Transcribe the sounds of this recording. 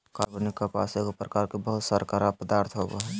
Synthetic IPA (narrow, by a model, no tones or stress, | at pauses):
kaːɾbonikːapa̰sekopɾəkaːɾkebəɦʊt̪səɾkaɾapəd̪aːɾt̪ʰɦoboɦ